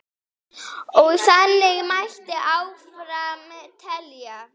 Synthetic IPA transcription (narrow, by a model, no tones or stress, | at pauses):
owsanːɪmaçt̪əʔawfɾamt̪ʰɛlja